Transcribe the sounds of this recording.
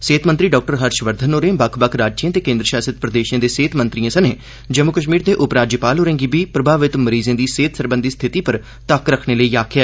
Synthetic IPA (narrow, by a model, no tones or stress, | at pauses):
seːt̪ʰmənt̪ɾiːɖɔːk̚ʈəɾɦəɾʃʋəɾd̪ʱənoːɾẽːbəkʰbəkʰɾaːd͡ʒd͡ʒijãːt̪eːkẽːnd̪ɾəʃaːsɪt̪̚pɾəd̪eːʃãːd̪eːseːt̪ʰmənt̪ɾijãːsəneː | d͡ʒəmːʊkəʃ̬miːɾd̪eːʔʊpɾaːd͡ʒjəpaːloːɾẽːŋɡiːbiːpɾəbʱaːʋɪt̪məɾiːzẽːd̪iːseːt̪ʰsəɾbə̃nd̪ist̪ʰɪt̪iːpəɾ | t̪əkɾəkʰneːləiːaːkʰjaː